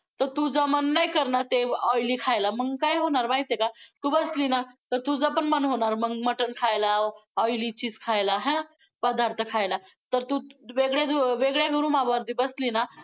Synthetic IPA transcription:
t̪ət̪ud͡zəmənːajkəɾnat̪eɔjlikʰajlaməŋkajɦonaɾbãĩt̪ekat̪ubəslinat̪əɾt̪ud͡zəpənmənɦonaɾməŋməʈənkʰajlaɔjlit͡ʃiskʰajlaɦɛ̃ | pəd̪ʱaɾt̪ʰəkʰajla | t̪əɾt̪uʋeɡɭed̪ʋeɡɭaɡuɾumabəɾd̪ibəslina

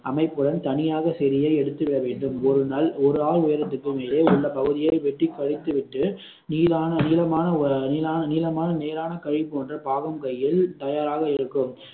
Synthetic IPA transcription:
ʔɐmɐɪpːɯɽɐnt̪ɐnɪjaːɣɐsɛɾɪjɐɪɛɽɯt̪ːɯʋɪɽɐʋeːɳɖɯmɔɾɯnaːlɔɾɯaːlʊjɐɾɐt̪ːɯkːɯmeːleːʊɭːɐpɐɣɯðɪjɐɪʋɛʈːrɪkːɐɻɪt̪ːɯʋɪʈːɯ | niːlaːnɐniːlɐmaːnɐniːlaːnɐniːlɐmaːnɐneːɾaːnɐkɐɻɪpːɯʋɐndrɐpaːɣɐmkɐjːɪlt̪ɐjaːɾaːɣɐɪɽɯkːɯm

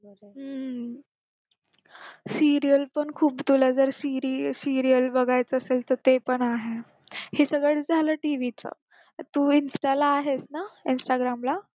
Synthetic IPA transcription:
ɦə | siɾijəlpəɳkʰuːpt̪ulad͡zəɾsiɾisiɾijəlbəɡajt͡səːselt̪əɾt̪epəɳaɦe | hesəɡɭəɭd͡zʱaləʈiʋit͡sə̰ | t̪uːinsʈalaːɦesnainsʈaɡɾamla

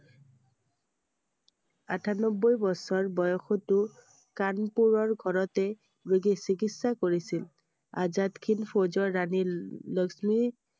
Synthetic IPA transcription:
atʰanɔbːojbɔsɔɹbɔjɔxutʊ | kanpuɹɔɹɡʱɔɹɔtɛ | bɹoɡisikitsakoɹisil | a̰zatkʰinpʰozɔɹːanilɔksmi

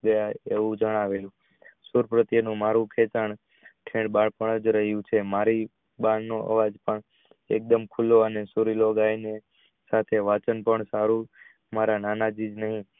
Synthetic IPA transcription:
d̪əjaeʋũd͡ʒəɽ̃aʋelũ | suɾpɾət̪jənũmaɾũkʰet͡ʃaɳ | ʈʰẽɽbaɭpəɳəd͡ʒɾəɦjũt͡ʃʰemaɾi | baɳnoʔə̰ʋad͡ʒpəɳ | ek̚d̪əmkʰulːoənesuɾiloɡajne | sat̪ʰeʋat͡ʃənpəɳsaɾu | maɾananad͡ʒid͡ʒnəɦĩ

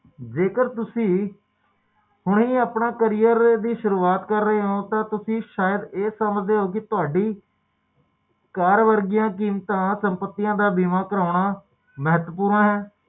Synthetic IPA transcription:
d͡ʒeːkəɾt̪ʊsĩː | hʊɳɦĩːaːpɳãːkəɾijəɾd̪iːʃʊɾuːaːt̪kəɾːəɦeːɦõːt̪ãːt̪ʊsĩːʃaːjəd̪eːsəməd͡ʒd̪eːɦoːkɪt̪ʊaːɖiː | kaːɾʋəɾɡijãːk̬iːmt̪ãːsəmpət̪ːijãːd̪aːbiːmãːkəɾaːʊɳaː | məɦət̪ʋəpuːɾnãːɦɛː

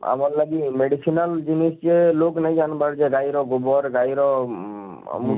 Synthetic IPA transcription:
a̰mɔɾlaɡimeɽisʰinald͡ʒinisd͡ʒeloknajd͡ʒanbaɾd͡ʒɛɡajɾɔɡɔbɔɾɡajɾɔ | a̰mu

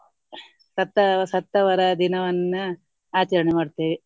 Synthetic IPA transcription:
sɐt̪ːɐsɐt̪ːɐʋɐɾɐd̪inɐʋɐnːu | aːt͡ʃɐɾɐɳemaːɖt̪eːʋi

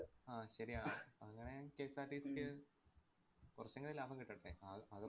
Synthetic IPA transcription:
aːɕɐɾiaːɐŋːɐɳekeːsaːɾʈiːskʲːɨ | kurɐɕːɐŋːɐɭelaːbʱɐŋkiʈːɐɽːeaɐðɨ

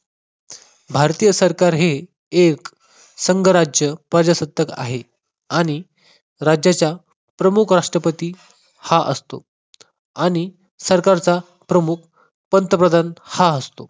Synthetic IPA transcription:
bʱaɾt̪ijəsəɾkaɾɦe | ek | səŋɡəɾad͡ʑjəpəd͡ʑasət̪ːəka̰ɦe | aɽ̃i | ɾad͡ʑjat͡ɕja | pɾəmukʰɾaʂʈɾəpət̪iː | haʔə̰st̪o̰ | aɽ̃i | səɾkaɾt͡sa | pɾəmuk̚ʰ | pənt̪əpɾəd̪ʱanhaəst̪o

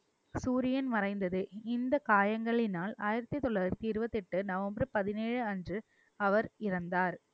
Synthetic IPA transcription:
suːɾɪjɐnmɐrɐɪnd̪ɐðɯɪnd̪ɐkaːjɐŋɡɐɭɪnaːlaːjɪɾɐt̪ːɯt̪ːɔɭːɐɐɾt̪iːɾɯʋɐt̪ːɪʈːɯnɐʋɐmbɾɯpɐðɪneːɻɯɐndrɯ | ɐʋɐɾɪɾɐnd̪aːɾ

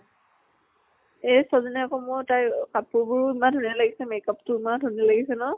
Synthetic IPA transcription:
esɔzɔnɛakɔmʊtajkapʊɹbʊɹimadʱunilaɡisɛmekaptʊimadʱunilaɡisɛnɔ

